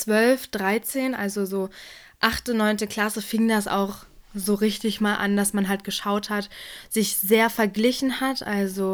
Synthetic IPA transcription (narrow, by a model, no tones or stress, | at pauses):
t͡sv̥œlfd̥ʁaɪt͡seːnʔalzozoː | ʔaχtənɔʏntəkʰl̥asəfɪŋdasa̰ʊχ | zoːʁɪçtɪçmaːlʔa̰ndasmanɦalt̚ɡ̥əʃaʊthatz̥ɪçz̥eːɐfɛɐɡlɪçn̩hatʔa̰lzo